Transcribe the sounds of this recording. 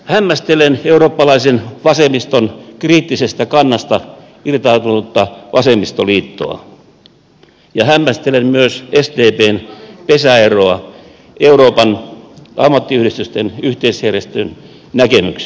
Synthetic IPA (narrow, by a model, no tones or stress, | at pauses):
hæmːæst̪eleneuroːpːɑlɑisenʋɑsemist̪onkriːt̪ːisest̪ækɑnːɑst̪ɑ | irt̪ɑːt̪unut̪ːɑʋʔɑsemist̪oliːt̪ːo̰ɑ̰ | jɑhæmːæst̪elemmyøsest̪eːpeːnpesæeroɑ | euɾoːpɑnɑ̰mːɑt̪ːiyhɾist̪yst̪enyht̪eisherjest̪øn | nækemyks